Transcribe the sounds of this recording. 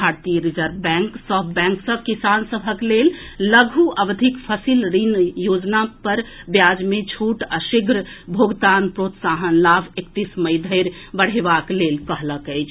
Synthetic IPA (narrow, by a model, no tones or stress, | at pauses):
bʱaɾt̪ijəɾid͡ʒəɾbɛ̃ŋksəbbɛ̃ŋksəb̚kisansəbʱəklel | ləɡʱuʔəʋd̪ʱikpʰəsilɾinjod͡ʒnapəɾbjad͡ʒmẽt͡ʃʰuʈəʃiɡʱɾəbʱoɡt̪anpɾot̪saɦənlabʱekt̪isməjd̪ʱəɪɾbəɽ̤ebaklelkəɦləkəɪt͡ʃʰ